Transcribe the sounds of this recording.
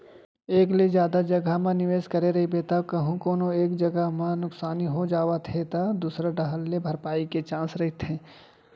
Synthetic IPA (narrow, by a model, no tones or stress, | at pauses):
eːkled͡ʒjaːd̪ad͡ʒɐɡəɦmãnɪʋeːʃkɐɾeɾɐɦibet̪akɐɦũkoːnoeːkd͡ʒɐɡəɦmãnʊksaːniɦod͡ʒaːwat̪ʰet̪ad̪uːsɾaɖɐɦəlːebʱɐɾpaːiket͡ʃãːsɾɐɦit̪ʰẽː